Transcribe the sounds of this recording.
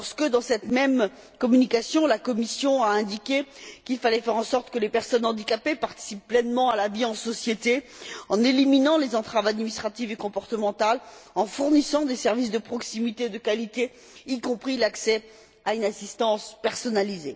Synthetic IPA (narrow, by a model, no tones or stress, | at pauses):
ʁsə̥kəd̪ɑ̃sɛt̪mɛm | kɔmynikasjɔ̃lakɔmisjɔ̃aɛ̃d̪ikʲekʲilfalɛfɛʁɑ̃sɔʁt̪kəlepɛʁsɔnɑ̃d̪ikapepaʁt̪i̥sipːlɛnmɑ̃alaviɑ̃sɔsjet̪eɑ̃neliminɑ̃lezɑ̃t̪χavad̪minist̪χat̪ivekɔ̃pɔʁt̪əmɑ̃t̪alɑ̃fuʁnisɑ̃d̪esɛʁvis̬d̪əpχɔksimit̪ed̪əkalit̪eː | kɔ̃pχilaksɛ | aynasist̪ɑ̃spɛʁsɔnalize